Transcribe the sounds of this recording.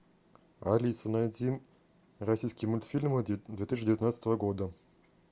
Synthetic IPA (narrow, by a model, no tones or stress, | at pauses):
alʲisɨnad̪ʲim | rasʲijsʲkʲijmulʲt̪fʲilʲmɨd̪vʲet̪iɕ̬ʲdʲevʲit̪nat̪ːɨt̪əvəɡod̪ə